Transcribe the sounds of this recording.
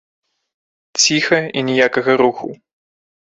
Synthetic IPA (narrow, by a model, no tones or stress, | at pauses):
t͡sʲixɐinʲɛjakɐɣɐɾuxṵ